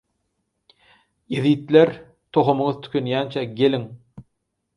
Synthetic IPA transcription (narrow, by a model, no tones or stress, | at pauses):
jeðiːt̪leɾ | t̪ʰoχomɯŋɯðt̪ʰy̥kʰʲønjæːnt͡ʃʰæɡe̞liŋ